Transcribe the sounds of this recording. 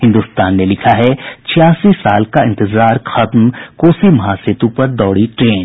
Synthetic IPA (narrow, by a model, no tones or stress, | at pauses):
ɦɪ̃nd̪uːst̪aːnːelɪkʰaɦɛt͡ʃʰɪjaːsisaːlkaɪ̃nt̪ɪzaːɾxɐt̪mkoːsimɐɦaːsɪt̪ũpɐɾd̪ɔːɽiʈɾẽːn